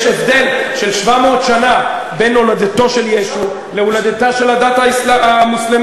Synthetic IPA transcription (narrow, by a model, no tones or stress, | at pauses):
ʃevd̪e̞lʃelʃvamoːt̪ʃana | benolad̪et̪o̞ʃe̞ljeʃu | leulad̪et̪aʃelad̪at̪aislaamuslem